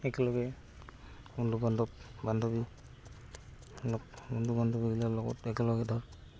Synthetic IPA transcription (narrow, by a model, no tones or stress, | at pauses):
ɛkɛlɔɡɛ | undubandɔp̚bandɔbi | lɔkundubandɔbiɡilalɔɡɔ̰tɛkɛlɔɡɛdʱɔɹ